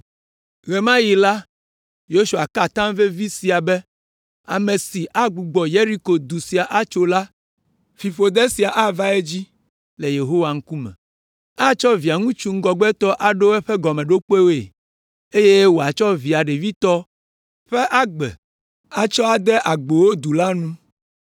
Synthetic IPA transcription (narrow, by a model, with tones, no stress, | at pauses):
ɣɛ˨mã˦ji˨la˦ | jo˦ʃu˨a˨ka˨t̪ã˦mve˦vi˦si˨a˨bɛ˦ | a̰˨me˨si˨ʔa˦ɡ͡bu˨ɡ͡bɔ˨je˦ɾi˦ko˨d̪u˨si˨a˨ʔa˦t͡ʃo˦la˦ | fi˨fo˨d̪ɛ˦si˨a˨ʔa˦va˦e˦d͡ʑi˦ | le˨je˨ɦo˦wa˨ŋ̩˦ku˦mɛ̰̃˨ | a˦t͡ʃɔ˦vi˨a˨ŋũ˦t͡ʃu˦ŋ̩˦ɡɔ˨ɡ͡bɛ˦t̪ɔ˦ʔa˨ɖo˦ɛ˦ɸɛ˦ɡɔ˨mɛ̃˨ɖo˦k͡pe˦wo˦ḛ˨ | e˦je˦wo˨a˨t͡ʃɔ˦vi˨a˨ɖe˨vi˦t̪ɔ˦ | ɸɛ˦ʔa˦ɡ͡bɛ̰˨ | a˦t͡ʃɔ˦a˨d̪ɛ˦ʔa˨ɡ͡bo˨wo˦d̪u˨la˦nũ˦